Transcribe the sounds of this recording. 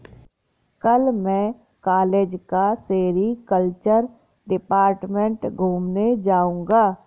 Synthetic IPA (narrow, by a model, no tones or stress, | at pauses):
kəlmɛ̃ | kaːleːd͡ʒkaseːɾikəlt͡ʃəɾ | ɖɪpaːɾʈmẽɳʈɡʱuːmned͡ʒaːũːŋɡaː